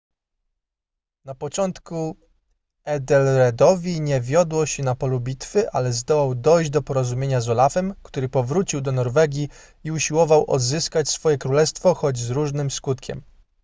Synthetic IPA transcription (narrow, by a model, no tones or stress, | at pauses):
napɔt͡ʂɔnt̪ku | ɛd̪ɛlɾɛd̪ɔvʲiɲɛvʲjɔd̪wɔɕɛnapɔlubʲit̪fɘʔa̰lɛzd̪ɔwawd̪ɔjʑd͡ʑd̪ɔpɔɾɔzumʲjeɲazɔlafɛmkt̪uɾɘpɔvɾut͡ɕiwd̪ɔnɔɾvɛɡʲi | iuɕiwɔvawʔɔ̰d̪zɘskat͡ɕsfɔjɛkɾulɛst̪fɔxɔd͡ʑzɾuʐnɘmskut̪kʲɛ̰m